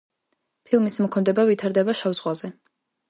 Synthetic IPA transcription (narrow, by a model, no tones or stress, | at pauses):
pʰilˠmismɔkʰɔnd̪ɛbavit̪ʰaɾd̪ɛbaʃavzʁwazɛ